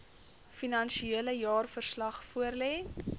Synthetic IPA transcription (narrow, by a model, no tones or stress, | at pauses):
finɐnʃieələjɑːrfərslɐχfuərlɛː